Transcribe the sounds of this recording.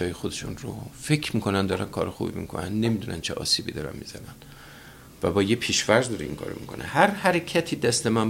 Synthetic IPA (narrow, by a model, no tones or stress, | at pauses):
ɒːjexod̪e̞ʃunro̰fekʰmiːkʰo̞nænd̪ɒːɾænkʰɒːɾexṵːbḭmḭkʰo̰nænne̞mid̪unæ̰nt͡ʃʰeʔɒ̰ːsiːbḭːd̪ɒːɾæ̰nmizænæn | væbɒːjepʰiːʃvæɾzd̪ɒɾeḭŋkʰɒ̰ɾo̰mikʰo̞̰nʔḛhæɾhæɾecʰæt̪ʰiːd̪æst̪emæn